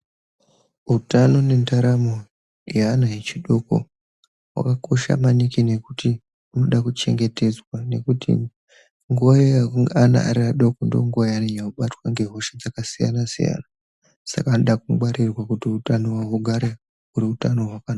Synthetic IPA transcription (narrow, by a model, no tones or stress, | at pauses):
utano̞ne̞ntaɾamo | jaːnajet͡ʃiɗo̞ko̞̰ | wa̰kako̞ʃa̰manikine̞kuti | uno̞ɗakut͡ʃe̞̰ŋɡe̞te̞d͡zwane̞̰kutʰḭ | ŋɡuʋajeakuŋɡeana̰ʔa̰ɾiaɗo̞kondo̞̰ŋɡuʋajaneɲauɓatwaŋɡe̞ɦo̞ʃed͡zakasija̰nasḭja̰na | sa̰kaːnoɗak̚uɡ͡baɾirwakutiutano̞waɦuɡʱaɾe | uɾiutano̞ɦwakana